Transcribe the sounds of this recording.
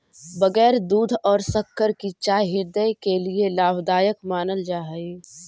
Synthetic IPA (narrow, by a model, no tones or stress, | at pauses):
bəɡɛːɾd̪uːd̪ʱɔːɾsəkːəɾkit͡ʃaːjɦɪɾd̪əjkelielaːbd̪aːjəkmaːnəld͡ʒaːɦəi